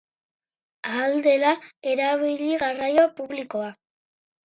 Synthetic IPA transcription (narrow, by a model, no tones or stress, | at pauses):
ald̪e̞lae̞ɾaβiʎiɣarajopuβliko̞a